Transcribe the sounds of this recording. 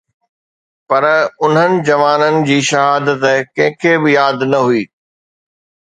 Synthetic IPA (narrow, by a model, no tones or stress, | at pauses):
pɐɾʊn̤ənɪ̆d͡ʑɐʋaːnənɪ̆d͡ʑiːʃɐɦaːd̪ət̪kɐ̃ɦɪ̃kʰebɪjaːd̪nɐɦuiː